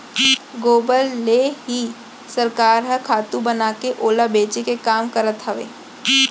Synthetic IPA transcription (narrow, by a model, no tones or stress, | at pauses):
ɡoːbəlːeɦi | səɾkaːɾɦəkʰaːt̪ũbənaːkeʔoːlabeːt͡ʃekekaːmkəɾət̪ɦɐʋḛː